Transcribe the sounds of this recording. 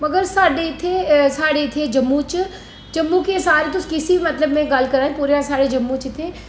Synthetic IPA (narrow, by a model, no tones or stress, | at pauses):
mɐɡəɾsaːɽet̪ʰesaːɽet̪ʰed͡ʒɐmːut͡ʃ | d͡ʒɐmːukesaːɾet̪ʊskɪsiimɐt̪ləbmẽɡɐlkɐɾaːĩpuːɾjasaːɽed͡ʒɐmːut͡ʃt̪ʰeː